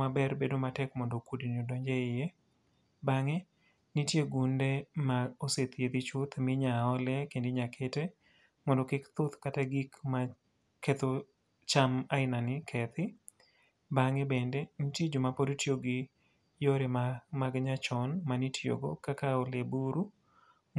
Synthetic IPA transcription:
abɛrbedomatɛkmɔndokudinodɔɲd͡ʒɛɪje | baŋɛ | nitjeɡundemaoset̪jed̪it͡ʃʊt̪mɪɲaɔlɛkendɪɲakʰete | mɔndɔkɪkt̪ʊt̪kataɡikma | ket̪o | t͡ʃamaɪnanɪkʰɛt̪ɪ | baŋɛbɛndɛnitjed͡ʒʊmapodtjoɡɪ | joɾemaɡɲat͡ʃɔnmanitjo̰ɡo̰kakaolebuɾu

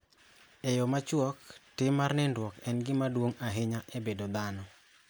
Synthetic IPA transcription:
ejɔmat͡ʃwɔk̚tɪmarnɛndwɔkɛnɡɪmadwoŋaɦɪɲaʔebedod̪anɔ

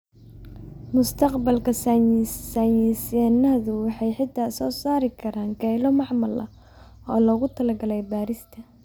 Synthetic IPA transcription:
mʊst̪ʰɐqbɐlkʰɐsɐsɐjisɛnɐðʊwɑħɑjħɪd̪ʰasɔːsaːɾɪkʰɐɾaːŋɡɛjlɔmɑʕmɐlʔɐ̰ | ɔːlɔɣʊt̪ʰɐlɐɡɐlɛjbaːɾɪst̪ʰɐ

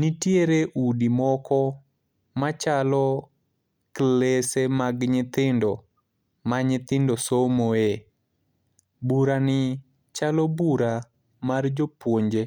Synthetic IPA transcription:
nitjeɾeʔudimɔkɔ | mat͡ʃalɔ | klesemaɡɲɪt̪ɪndɔ | maɲɪt̪ɪndosomoe | buɾanɪ | t͡ʃalɔbuɾa | mard͡ʒopwoɲd͡ʒe

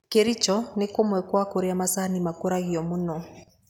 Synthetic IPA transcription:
keɾit͡ʃɔnekomwɛkwakoɾiamasanimakoɾaɣiɔmunɔ

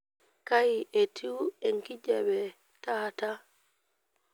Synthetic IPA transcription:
kajiʔɛtʰiwɛŋkid͡ʒɛbɛ | taːta

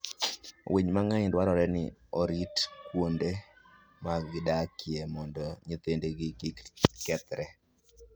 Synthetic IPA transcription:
weɲmaŋaɪndwaɾɔɾɛnɪ̰ɔɾitkwonde | maɡɪdakʰjemɔndɔɲet̪endeɡɪɡɪkkɛt̪ɾɛ

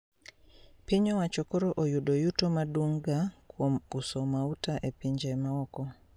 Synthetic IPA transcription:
piɲɔwat͡ʃɔkɔɾɔʔojuɗɔjutɔmaduŋɡakwomusɔmautaʔepiɲd͡ʒɛmawɔkɔ

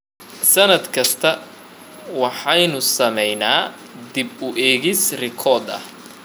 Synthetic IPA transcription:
sɐnɐd̪kʰɐst̪ʰɐ | wɑħɑjnʊsɐmɛjnaː | d̪ɪbʊʔɛːɣɪsrɪkʰɔd̪ɐ̰

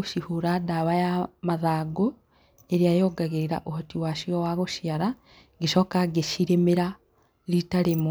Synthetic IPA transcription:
ʃihuɾadaβajamaðaːɡo | eɾiajoːɡaɣeɾeɾa̰ʔohotiwaʃiowaɣoʃjaɾa | ɡeʃokaɡeʃiɾemeɾa | litaɾemo

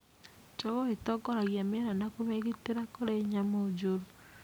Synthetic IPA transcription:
t͡ʃɔβɔetɔɡɔɾaɣjameɾanakomeɣeteɾakoɾeɲamod͡ʒoɾu

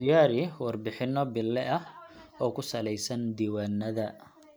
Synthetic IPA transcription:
jaːɾɪwɑrbɪħɪnːɔbɪlːɛʔɐɔːkʰʊsɐlɛjsɐnd̪iːwaːnːɐðɐ

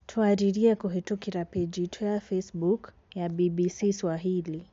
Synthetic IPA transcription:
tʰuaɾiɾiakuɦitukiɾapɛd͡ʒitʰujafɛsbuk | jabibisiswaɦili

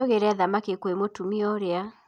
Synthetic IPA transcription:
ɔɣeɾɛðamakekwemotumiɔɾea

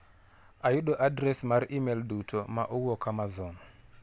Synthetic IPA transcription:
ajuɗɔʔadɾɛsmaɾiʔimeldutʰɔma̰ʔowɔkamazɔnɔ

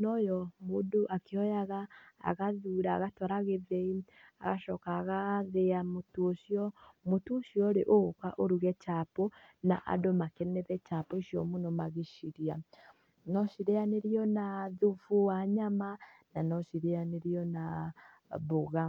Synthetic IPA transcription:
nɔjɔmuduʔakeɔjaɣa̰ːɣaðuɾaːɣatɔɾaɣeðei | a̰ɣaʃɔkaɣaðeamutuʃiɔmutuʃiɔɾeʔokaʔoɾuɣɛt͡ʃapɔna̰ʔa̰domakeneðɛt͡ʃapɔiʃjɔ̰munomaɣiʃiɾia | nɔʃiɾeaneɾiɔnaðuvuwaɲamananɔʃiɾeaneɾiɔna | βoɣa

